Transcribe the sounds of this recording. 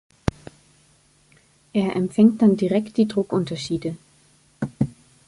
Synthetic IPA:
ʔeːɐʔɛmfɛŋt̚d̥andiʁɛkt̚d̥iːdʁʊkʔʊntɐʃiːdə

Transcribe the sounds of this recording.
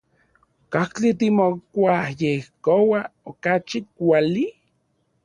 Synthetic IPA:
kaht͡ɬit̪imokʷahjehkowaokat͡ʃikʷali

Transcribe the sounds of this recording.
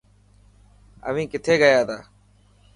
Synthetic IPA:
ə̰ʋĩːkɪt̪ʰeːɡəjaːt̪ʰaː

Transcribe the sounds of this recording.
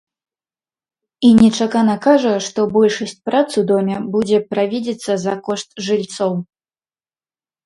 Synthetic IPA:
inʲɛt͡ʂakanɐkaʐɐʂt̪ɔbɔlʲʂɐsʲt͡sʲpɾat̪sɨwd̪ɔmʲɛbud͡zʲɛpɾavʲid͡zʲɛt̪sːɐzɐkɔʂt̪ʐɨlʲt̪sɔw

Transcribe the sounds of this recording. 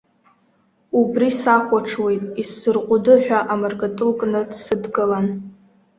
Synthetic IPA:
ubrisaχʷaʈ͡ʂʰwe̞jtʼisɨrqʷʼʊdɨħᶣaʔamarɡatʼɨlkʼnɨdsɨdɡɨlan

